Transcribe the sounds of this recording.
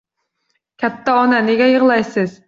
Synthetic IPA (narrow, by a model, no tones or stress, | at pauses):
kʲʰɛt̪ʰːɛɔnɛnɪɡʲɛjəʁlˠɑjsɨz̥